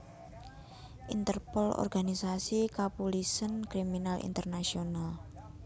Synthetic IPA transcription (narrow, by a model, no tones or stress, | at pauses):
ʔint̪ərpɔlɔ̰rɡ̥anisasikapulisənkɾiminalʔḭnt̪ərnasional